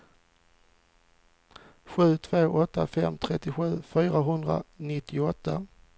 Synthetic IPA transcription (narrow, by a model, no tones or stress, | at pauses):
ɧʉ̟ːt̪ʰvoːʔɔt̪ːafɛmːt̪ʰɾɛt̪ːɪɧʉ̟ːfyːɾaɦɵnd̪ɾa̰nɪt̪ːɪʊɔt̪ːa